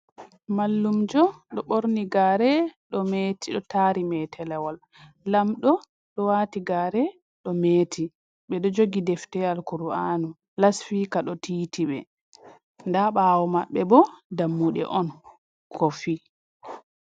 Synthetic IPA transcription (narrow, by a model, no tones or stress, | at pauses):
malːumd͡ʒɔɗɔɓoɾniɡaɾɛɗɔmetʰiɗɔtaːɾimɛtʰɛlɛwalː | amɗɔ | ɗɔwaːtiɡaɾɛ | ɗɔmetʰi | ɓɛɗɔd͡ʒoɡidɛftɛalkuɾuanu | lasfikaɗɔtiːtʰiɓɛ̰ | ndaɓawɔmaɓːɛbɔdamːuɗɛ̰ʔɔn | kʰɔfi